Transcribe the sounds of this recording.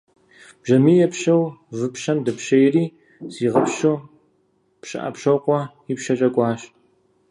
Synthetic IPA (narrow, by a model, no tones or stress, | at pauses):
b̥ʒɐmiːjɛpʃɐwzɨpʃɐmdɐpʃɐjriː | z̥iːʁɐpʃo | pʃɨ̰ʔɐ̰pʃɐwqʷɔ | ipʃɐt͡ʃʼɐkʷʼɑːɕ